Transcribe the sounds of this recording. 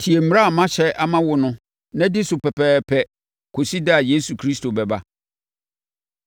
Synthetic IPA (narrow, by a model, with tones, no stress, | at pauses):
tʰi˨e˨m̩˨ɾa˦a˨mã˦ɕɛ˦ʔa˦mã˦wʊ˨nʊ̃˦ | nã˦dɪ˦sʊ˨pɛ˨pʰɛː˦pʰɛ˨ | kʰo˨si˦dɪ˦a˨je˦su˨kʰɾi˦stʰo˨bɛ˨ba˦